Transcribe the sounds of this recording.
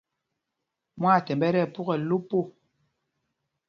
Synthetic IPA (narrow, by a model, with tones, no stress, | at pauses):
mwa˦˨tɛ˨mbɛ˦ɾɛ˦˨pu˦ɣɛ˨lu˦po˦˨